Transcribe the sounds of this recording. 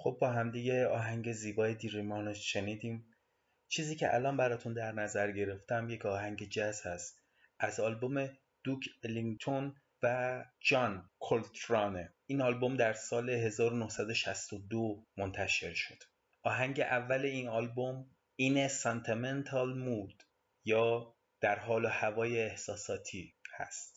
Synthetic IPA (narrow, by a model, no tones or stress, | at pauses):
χob̚ːɒːɦæmd̪iɟe̞ɒːɦæŋɟe̞ziːbɒːjed̪iɾimɒːnoʃe̞niːd̪iːm | t͡ʃʰiːziːcʰe̞̰ʔæ̰lɒːnbæɾɒːt̪ʰund̪æɾnæzæɾɟe̞ɾe̞ft̪æmje̞cʰɒːɦæŋɟe̞d͡ʒæshæst̪ | ʔæzɒːlbome̞ | d̪̥ukʰeliŋt̪ʰon | væd͡ʒɒnkʰolt̪ʰɾɒne | iːnɒːlbo̞md̪æɾsɒːle̞ɦe̞zɒːɾonohsæd̪oʃæst̪od̪omont̪ʰæʃe̞ɾʃo̞d̪̥ | ʔɒːɦæŋɟe̞ʔævːæle̞iːnɒːlbom | ʔiːnesent̪ʰiment̪ʰɒlmuːd̪̥ | jɒː | d̪̥æɾɦɒːlohævɒːjeːhsɒːsɒːt̪ʰiːhæ̰st̪